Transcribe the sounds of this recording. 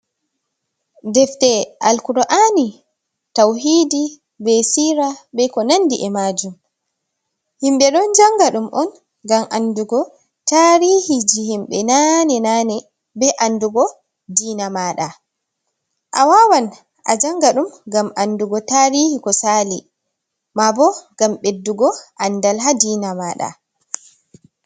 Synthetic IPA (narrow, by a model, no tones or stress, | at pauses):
dɛftɛʔalkuɾʔani | tawɦiːdi | bɛsiːɾaɓɛkɔnandiʔɛmaːd͡ʒum | himɓɛɗɔnd͡ʒaŋɡaɗumʔɔn | ɡamʔanduɡɔ | taɾihid͡ʒihimɓɛnanɛnanɛ | bɛʔanduɡɔ | diːnamaɗa | ʔawawan | ʔa̰d͡ʒaŋɡaɗumɡamʔanduɡɔtaɾihikɔsali | mabɔɡ̥amɓedːuɡɔʔandalɦadiːnamaɗa̰